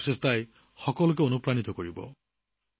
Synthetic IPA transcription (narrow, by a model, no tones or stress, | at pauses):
sestaj | xɔkɔlʊk̬eonupɹanit̪ɔkoɹibɔ̰